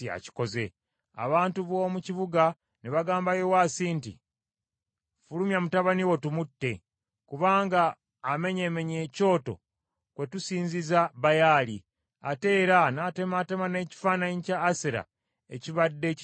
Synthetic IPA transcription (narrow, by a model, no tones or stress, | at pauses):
ia̰ci̥ko̞ze̞̰ | a̰βaːntuβo̞ːmuciβuɡa | neβaɡaːmbajewasintḭ | fulumjamutaβaniwo̞tumutːe̞ | kuβaːŋɡaː | me̞ɲe̞me̞ɲe̞ːco̞ːto̞̰ | kwe̞tusiːɲzizaβajaːli | ate̞ːɾanate̞mate̞mane̞ːci̥faːnaɲcaːseɾa̰ | ḛciβadːe̞